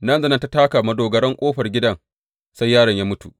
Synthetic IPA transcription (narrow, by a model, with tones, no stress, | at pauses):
nɐ˦nzɐ˦nɐ˦nta˦taː˦kaː˨mɐ˨doː˨ɡɐ˨ɾɐ˦ŋkʷʼoː˦ɸɐ˨rɡʲɪ˦dɐ˦ŋ | sa˦jːaː˦ɽɐ˨ɲjaː˦mʊ˦tṵ˨